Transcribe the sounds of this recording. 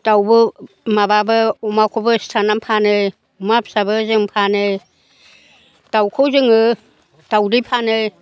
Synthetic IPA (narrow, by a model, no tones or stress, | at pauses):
tawbɯ | mababɯɔmakʰobɯstʰanampʰanɯ | ɔmap̚sabɯzɯŋpʰanɯ | tawkʰozɯŋɯ | tawdɯpʰanɯ